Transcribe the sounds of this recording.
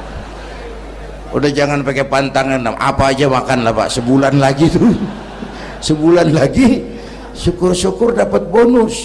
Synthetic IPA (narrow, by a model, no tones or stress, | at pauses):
ṵdahd͡ʒaŋanpakɛpant̪aŋanamʔa̰paːd͡ʒamakanlahpa̰ʔsəbulanlaɡit̪u | səbulanlaɡi | sukʊrsukʊrdapat̪̚bonʊs